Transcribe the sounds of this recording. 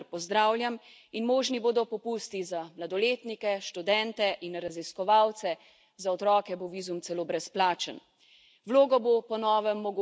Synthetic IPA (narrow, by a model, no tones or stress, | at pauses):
ɾpɔzd̪ɾaːwlʲjam | inmoːʒniboːd̪ɔpɔpuːst̪izamlad̪ɔleːt̪nikɛʃt̪ud̪ɛnt̪ɛʔinɾaziskɔʋaːwt̪sɛ | zaɔt̪ɾɔːkɛboʋiːzumt̪sɛloːbɾɛsplaːt͡ʃən | wloːɡɔbopɔnɔːʋɛmːɔɡ